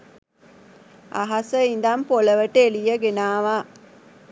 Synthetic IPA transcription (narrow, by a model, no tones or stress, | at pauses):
a̰ɦasəind̪ampoləʋəʈelijəɡenaːʋaː